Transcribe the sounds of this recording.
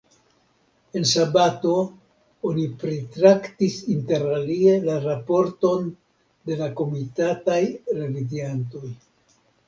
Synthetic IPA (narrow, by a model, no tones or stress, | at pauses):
e̞nsabato̞ | onipɾetɾaktisinte̞ɾalie̞laɾapo̞ɾto̞n | de̞lako̞mitatajre̞vidianto̞j